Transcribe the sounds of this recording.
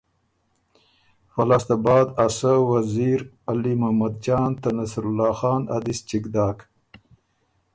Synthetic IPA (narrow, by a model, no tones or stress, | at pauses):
falɑːst̪abɑːd̪asawaziːɾ | alimahmad̪̚d͡ʒɑːnt̪anasɾulːɑːxɑːna̰d̪ist͡ʃikd̪ɑːk